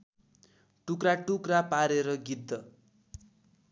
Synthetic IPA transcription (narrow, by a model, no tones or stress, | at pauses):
ʈukɾaʈukrapaɾeɾʌɡid̪ːʌ